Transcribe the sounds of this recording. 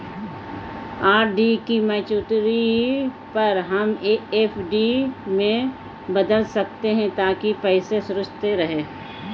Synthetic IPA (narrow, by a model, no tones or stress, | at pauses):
aːɾɖikimɛːt͡ʃʊt̪ɾi | pɐɾɦɐmeeːfʰɖimẽ | bɐd̪əlsɐk̚t̪eɦɛ̃t̪aːkipɛːsesʊɾʊt͡ʃt̪eɾɐɦeː